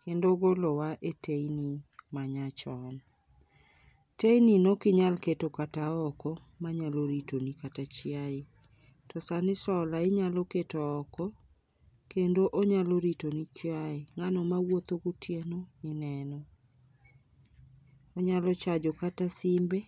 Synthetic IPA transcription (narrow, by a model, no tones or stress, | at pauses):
kendoɡolɔwaʔeteinimaɲat͡ʃɔn | tejninokɪɲalketokataɔkɔ | maɲaloɾitonikatat͡ʃɪaɪ | tɔsanɪsɔlaɪɲalɔketɔɔkɔ | kendoʔoɲaloɾitonit͡ʃjaɪŋanɔmawot̪oɡʊtʰjenoɪnɛnɔ | oɲalɔt͡ʃad͡ʒokatasimbe